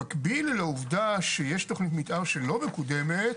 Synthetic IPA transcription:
akbilleuvdaʃejeʃto̞χnit̪̬mitʔaʁʃelo̞me̞kud̪e̞met

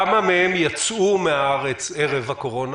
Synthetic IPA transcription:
mamehemjat͡sumeaaʁe̞t͡seʁevhako̞ʁo̞n

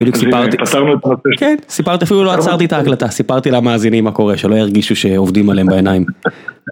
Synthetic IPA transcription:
bid̪juksipaʁt̪ipataʁnuet̪amat͡sekensipaʁt̪iafiluloat͡saʁt̪iet̪aːklat̪asipaʁt̪ilamaːzinimːako̞ʁe̞ʃelo̞jaʁɡiʃuʃe̞ovdimale̞embaenajim

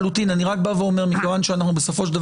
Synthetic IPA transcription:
lut̪inaniʁakbaveo̞meʁmikevanʃeanaχnube̞so̞fo̞ʃ̬d̪av

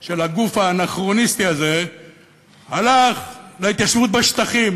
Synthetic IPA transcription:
ʃe̞laɡufanaχʁo̞nist̪iaze̞ | halaχleit̪jaʃvut̪̚beʃt̪aχim

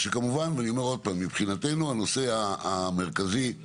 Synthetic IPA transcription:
ʃekamuvanveanio̞me̞ʁo̞d̪̚pamːipχinat̪e̞nuano̞se̞aːme̞ʁkazi

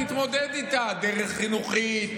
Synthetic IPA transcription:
it̪mo̞d̪ed̪it̪ad̪eʁeχːinuχi

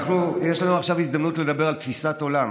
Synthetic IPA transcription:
χnujeʃlanuaχʃavizd̪amnutle̞d̪abeʁalt̪fisat̪o̞lam

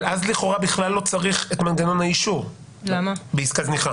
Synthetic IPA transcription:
azliχo̞ʁabiχlalːo̞t͡saʁiχetmanɡano̞nhaiʃu | lamabeiskazniχa

